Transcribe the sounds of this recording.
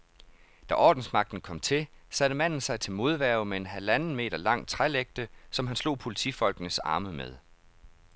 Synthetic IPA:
d̥æʔɒ̰ːd̥n̩smɑ̈ɡ̥̚d̥n̩kʰɒ̽m̰t͡sʰe̝sæɾ̥əmæn̰n̩sɑ̈ɪt͡sʰe̝lmo̝ð̞ˠʋæɐʊmee̝nɦælænn̩me̝̰ːɾ̥ɐlɑ̈ŋ̰t͡sʰʁaleɡ̥̚d̥əsɒ̽mɦænslo̝̰ːpʰo̝lit͡sʰḭfɒ̽l̰ɡ̥nəsɑ̈ːməmeð̞ˠ

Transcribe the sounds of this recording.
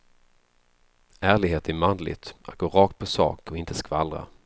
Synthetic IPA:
æːɭɪɡheːt̪ɛmand̪lɪ̰t̪ʔa̰t̪̚ɡ̥oːɾɑːkt̪̚pʰɔsɑ̰ːkɔɪnt̪əskvaldɾa̰

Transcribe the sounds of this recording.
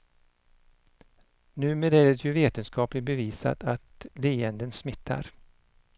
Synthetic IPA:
nʉ̟ːmeːd̪æɾɛt̪ʰjɵveːt̪ənskɑːplɪbɛviːsa̰t̪at̪liːənd̪ənsmɪt̪ʰːa̰ɾ

